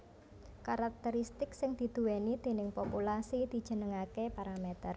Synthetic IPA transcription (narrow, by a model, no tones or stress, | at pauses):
kaɾak̚t̪əɾist̪ɪksɪŋd̪̥i̤d̪̥uwenid̪̥e̤nɪŋpopulasid̪̥i̤d̥ʒ̥ə̤nəŋakepaɾamet̪ər